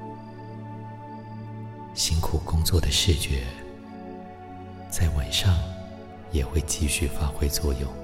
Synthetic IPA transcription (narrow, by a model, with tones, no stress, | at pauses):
ɕi˥nkʰu˨˩kʊ˥ŋt͡swɔ˥˩d̪ə˩ʂ̩˥˩t͡ɕɥɛ˧˥ | t͡sa˥˩ɪwa˨˩nʂɑ˥˩ŋ | jɛ˨˩xwe˥˧ɪt͡ɕi˥˧ɕy˥˩fa˥xwe˥ɪt͡swɔ˥˧jo˥˩ʊ